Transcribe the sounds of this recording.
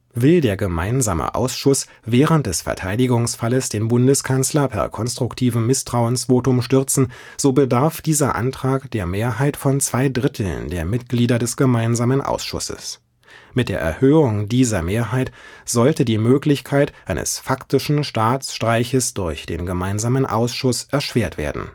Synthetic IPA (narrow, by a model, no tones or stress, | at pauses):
vɪldeːɐɡəma̰ɪnza̰ːmə̰ʔa̰ʊsʃʊs | vɛːʁənt̚d̥ɛsfɛ̰ɐtʰaɪdɪɡʊŋsfaləsd̥eːnbʊndəskʰanslɐpʰɛ̰ɐkʰɔnstʁ̥ʊktʰiːvm̩ːɪstʁ̥aʊənsv̥oːtʊmʃtʏɐt͡sn̩ | z̥oːbədaɐfd̥iːzɐʔa̰ntʁ̥aːkd̥eːɐmeːɐɦaɪtfɔnt͡sv̥aɪdʁɪtʰl̩ndeːɐmɪt̚ɡ̥liːdɐdɛsɡ̥əmaɪnzaːmənʔa̰ʊsʃʊ̰sə̰s | mɪt̚d̥eːɐʔɛ̰ɐhøːʊŋdiːzɐmeːɐɦaɪtz̥ɔltədiːmøːklɪçkʰaɪtʔaɪnə̰sfaktɪʃn̩ʃtaːt͡sʃtʁ̥aɪçəsd̥ʊɐçd̥ḛːnɡəmaɪnzaːmənʔa̰ʊsʃʊsʔɛɐʃv̥eːɐtv̥ḛːɐdn̩